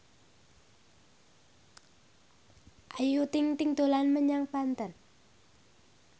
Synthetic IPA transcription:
ʔajut̪ɪŋt̪ɪŋd̪̥o̤lanməɲaŋpant̪ən

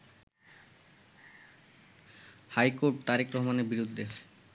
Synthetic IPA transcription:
hajkoɾʈt̪aɾikɾɔɦmaneɾbiɾud̪ʱːe

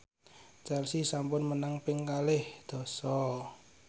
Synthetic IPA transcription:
t͡ʃɛlsisampʊnmənaŋpɪŋkalɪhd̪̥ɔ̤sɔ

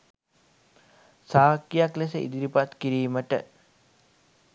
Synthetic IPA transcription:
saːkːijaklesəḭd̪iɾipat̪kiɾiːməʈə̰

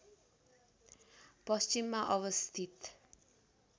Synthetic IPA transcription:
pʌst͡ʃimːaʔʌwʌst̪ʰit̪

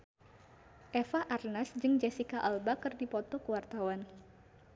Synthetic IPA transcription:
ʔɛfaʔarnasd͡ʒɨŋd͡ʒɛsikaʔalbakɨrdipɔt̪ɔkəwart̪awan

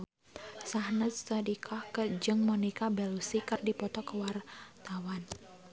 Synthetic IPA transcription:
sahnəst̪adikʰahkəd͡ʒɨŋmɔnikabɛlusikɨrdipɔt̪ɔkəwart̪awan

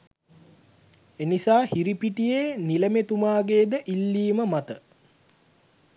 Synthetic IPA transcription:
enisaːhiɾipiʈijeːniləmet̪umaːɡeːd̪əʔilːiːməmat̪ə

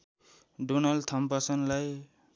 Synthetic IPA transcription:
ɖunʌlt̪ʰʌmpasʌnlaj

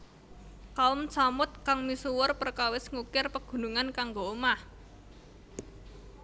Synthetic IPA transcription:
kaʊmsamʊt̪̚kaŋmisuwʊrpərkawɪsŋukɪrpəɡ̥ṳnuŋankaŋɡoomah

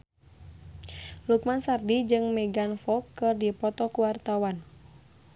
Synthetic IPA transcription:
lukmansardid͡ʒɨŋmɛɡanfɔkːɨrdipɔt̪ɔkuwart̪awan

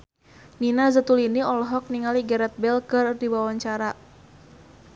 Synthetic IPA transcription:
ninazət̪uliniɔlɔɦɔk̚niŋaliɡɛɾɛt̪̚bɛlkɨrdiwawaɲt͡ʃaɾa

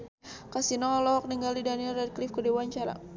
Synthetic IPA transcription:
kasinɔlɔk̚niŋɡaldidanilɛd̚klifkədewaɲt͡ʃaɾa̰

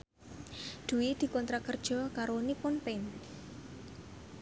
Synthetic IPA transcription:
d̪̥ṳwid̪̥i̤kɔnt̪ɾakərd̥ʒ̥ɔ̤kaɾonipʊnpen

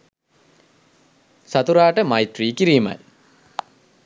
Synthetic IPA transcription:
sat̪uɾaːʈəmajtriːkiɾiːma̰j

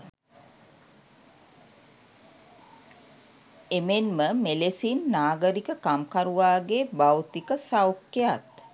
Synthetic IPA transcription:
emenməmelesinːaːɡəɾikəkamkaɾuʋaːɡeːbawt̪ikəsawkːejat̪

